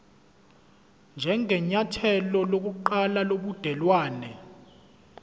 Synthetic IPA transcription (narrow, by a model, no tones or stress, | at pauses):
nd͡ʒʱɛŋʱɛɲatʰɛlɔlok̬uǃalaloɓud̥ʱɛlwaːnɛ